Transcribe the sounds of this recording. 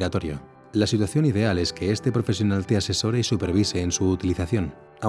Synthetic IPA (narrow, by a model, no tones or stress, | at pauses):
at̪o̞ɾjo̰ | lasit̪waθjo̞nið̞e̞ale̞ske̞est̪e̞pɾo̞fe̞sjo̞nalt̪e̞ase̞so̞ɾe̞isupe̞ɾβ̞ise̞ːnsuːt̪iliθaθjo̞n | a